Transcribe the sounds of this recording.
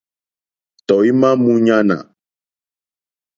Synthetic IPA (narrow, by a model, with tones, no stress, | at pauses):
t̪ɔ˨i˦mã˦mũ˦ɲã˦nã̰˨